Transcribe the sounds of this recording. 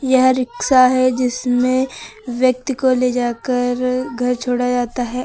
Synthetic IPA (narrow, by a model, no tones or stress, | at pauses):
jɐɦɾɪksaɦɛd͡ʒɪsmẽʋjɐk̚t̪ikoled͡ʒaːkəɾɡʱɐɾt͡ʃʰoːɽad͡ʒaːt̪aɦɛ